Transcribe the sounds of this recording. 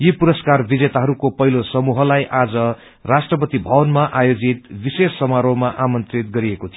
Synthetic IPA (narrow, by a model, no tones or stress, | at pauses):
jipuɾʌskarbid͡zet̪aɦʌɾukopʌɦilosʌmuɦʌlajʔad͡zʌ | rasʈrʌpʌt̪ibʱʌbʌnmaʔajod͡zit̪bisesːʌmaɾomaʔamʌnt̪rit̪̚ɡʌɾiekot̪ʰijo